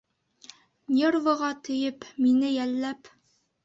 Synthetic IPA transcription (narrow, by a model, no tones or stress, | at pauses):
nʲervɤ̆ʁɑt̪ɘ̆jɘpminɘjælːæp